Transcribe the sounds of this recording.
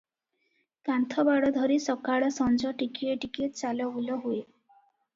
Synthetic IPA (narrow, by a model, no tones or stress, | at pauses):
kant̪ʰɔbaɽɔd̪ʱɔɾisɔkaɽɔsɔnd͡ʒɔʈikieʈikiʈt͡ʃalɔbulɔɦue